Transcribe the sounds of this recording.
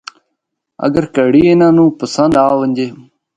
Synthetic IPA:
ə̰ɡəɾkəɽiːɪnãːnũːpəsənd̪aːʋəɲʲd͡ʒeː

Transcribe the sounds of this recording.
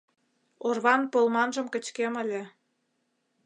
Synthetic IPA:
orβɑnpolmɑnʒə̆mkə̆t͡ɕkemə̆lʲĕ

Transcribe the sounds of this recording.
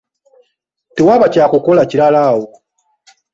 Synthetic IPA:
tewaβacakukolaciɾalaːwo

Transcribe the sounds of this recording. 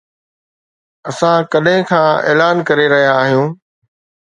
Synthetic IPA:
ɐsãkɐɗɦɪ̃kʰãːḛːlaːnkɐɾeɾɐɦijaːɦijũː

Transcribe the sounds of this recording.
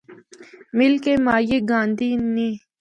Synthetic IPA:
mɪlkemaːjeɡãːnd̪iːni

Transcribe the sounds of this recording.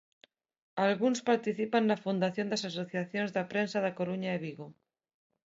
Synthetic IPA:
alɣunspaɾt̪iθipanːafund̪aθjond̪asasoθjaθjonzðapɾensaðakoɾuɲaeβiɣo

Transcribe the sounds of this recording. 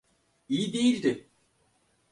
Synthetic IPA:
ijid̪ejilʲd̪ɪ

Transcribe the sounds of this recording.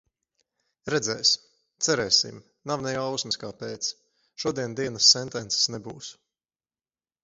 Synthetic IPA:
ɾɛd̪zɛːs | t̪sɛɾɛːsḭm | nawnɛjawsmɨskaːpeːt̪s | ʃuɔd̪iɛnd̪iɛnɐsːɛnt̪ɛnt̪se̥snɛbuːs

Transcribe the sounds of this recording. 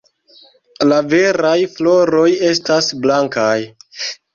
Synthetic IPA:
lave̞ɾajflo̞ɾo̞je̞stasblaŋkaj

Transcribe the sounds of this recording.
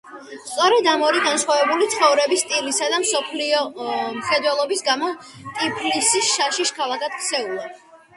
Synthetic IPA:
st̪sʼɔɾɛd̪amɔɾiɡansχwavɛbulit̪sʰχɔvɾɛbist̪ʼilisad̪amsɔpʰliɔmχɛd̪wɛlˠɔbisɡamɔ | t̪ʼipʰlisisʃaʃiʃkʰalˠakad̪̥kʰsɛulˠa

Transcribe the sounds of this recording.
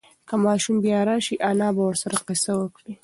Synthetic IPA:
kamaːʃʊmbɪjaːɾaːʃiʔanaːbawɐsɐɾqɐsɐwɐke

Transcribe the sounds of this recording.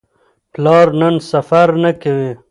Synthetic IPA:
plɑːɾnənsafaɾnakawi

